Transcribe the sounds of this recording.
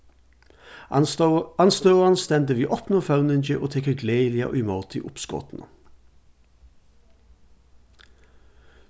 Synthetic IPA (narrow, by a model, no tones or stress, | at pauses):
ɑnst̪øːʁʁɑnst̪ɛnd̪əʋiːʔɔpnəfɑʉnənd͡ʒəʔoːt̪ʰɛkəɡleɪlɪɑ̰ʔo̰ɪmɔːt̪ʰɪ̰ːʔʊpskɔ̰t̪n̩ə